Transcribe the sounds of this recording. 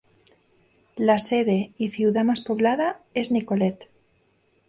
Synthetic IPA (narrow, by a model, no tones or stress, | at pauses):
laseðeifiwðamaspoβlað̞aeznikolet̪